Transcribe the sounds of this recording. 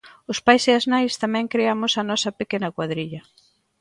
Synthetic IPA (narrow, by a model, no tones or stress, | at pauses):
ʊspajsɪɐznajst̪amɛ̃ŋkɾeamʊsɐnɔsɐpekenɐkwaðɾiʎɐ